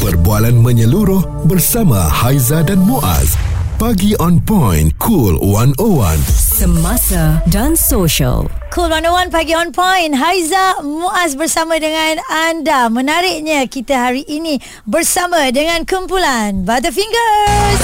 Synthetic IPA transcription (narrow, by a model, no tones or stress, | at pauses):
pərbualanmə̃ɲəluɾʊh | bərsamã̰hajzadanmuʔa̰spaɡiʔɔnpɔjnkʰulwanowa̰nsəmasadãnsoʃə̰lkʰulwanowanpaɡiɔnpɔjnɦajzamũʔas̬bərsamãdəŋãnandamə̃naɾɪʔɲãkit̪aɦaɾiʔinĩ | bərsamãdəŋãnkumpulanbat̪afiŋɡəs